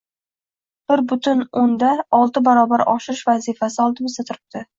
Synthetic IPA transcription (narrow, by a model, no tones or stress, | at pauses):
b̥ɪɾbʊt̪ʰʊnond̪aɒlˠt̪ɪbaɾɒbaɾʔɒ̰ʃɪɾɪʃvazifasɪɒlˠt̪ɪbɪzat̪ʰʊɾɪp̚t̪ʰɪ